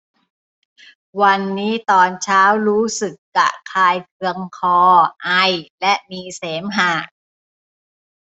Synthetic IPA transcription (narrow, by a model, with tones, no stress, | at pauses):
wa˧nːiː˦˥t̪ɔː˧nt͡ɕʰaː˦˥wɾuː˦˥sɯ˨˩kːa̰˨˩kʰaː˧jkʰɯ˧əŋkʰɔː˧ʔa˧jlɛ˦˥ʔmiː˧seː˩˦mɦaː˨˩